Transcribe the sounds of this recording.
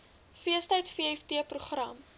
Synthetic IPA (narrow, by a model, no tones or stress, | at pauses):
fiəstəjtfiəɛftiəpruχrɐm